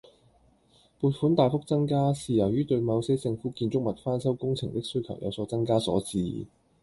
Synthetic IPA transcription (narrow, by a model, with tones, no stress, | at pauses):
puː˧t̚fuː˨˥nt̪aː˨˧jfʊ˥k̚t͡sɐ˥ŋkaː˥siː˨˧jɐ˨˩wjyː˥t̪ɵ˧ɥmɐ˨˧wse˥t͡sɪ˧ŋfuː˨˥kiː˧nt͡sʊ˥k̚mɐ˨t̚faː˥nsɐ˥wkʊ˥ŋt͡sʰɪ˨˩ŋt̪ɪ˥k̚sɵ˥ɥkʰɐ˨˩wjʔɐ̰˨˧wsɔː˨˥t͡sɐ˥ŋkaː˥sɔ̰ː˨˥t͡siː˨˧